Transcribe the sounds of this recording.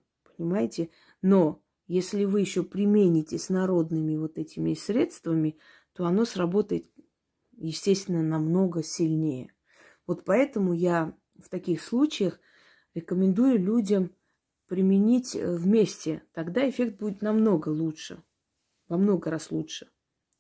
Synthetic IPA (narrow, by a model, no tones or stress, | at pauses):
pə̥nʲɪmajɪtʲɪ | no̞ | jesʲlʲɪvɨjɪɕːo̞pɾʲɪmʲenʲɪtʲɪsʲnɐɾo̞d̪nɨmʲɪvo̞t̪ɛtʲɪmʲɪsʲɾʲe̞t̪st̪vəmʲɪ | t̪o̞ɐno̞srɐbo̞t̪əjɪt̪ | jɪsʲtʲesʲt̪ʲvʲɪnːənɐmno̞ɡəsʲɪlʲnʲejə | vo̞t̪pɐɛt̪əmʊja | ft̪ɐkʲixslˠut͡ɕɪjəx | ɾʲɪkəmʲɪnd̪ujʊlʲudʲəm | pɾʲɪmʲɪnʲitʲvmʲesʲtʲɪt̪ɐɡd̪aɪfʲe̞k̚t̪̚budʲɪt̪nɐmno̞ɡəlˠuʂɨ̰ | vɐmno̞ɡəɾaslˠutʂɨ̥